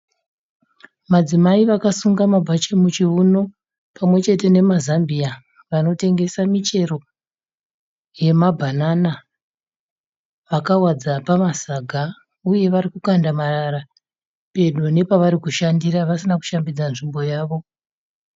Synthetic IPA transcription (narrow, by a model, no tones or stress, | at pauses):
mad͡zimaiʋakasuŋɡamabʱat͡ʃemut͡ʃiuno̞ | pamwe̞t͡ʃe̞te̞ne̞mazambia | ʋano̞te̞ŋɡe̞samit͡ʃe̞ro̞ | je̞mabʱanana | ʋakawad͡zapamasaɡʱa | uje̞ʋaɾikukandamaraɾa | pe̞ɗone̞paʋaɾikuʃandiraʋasinaku̥ʃambid͡zanʐimbo̞jaːʋo̞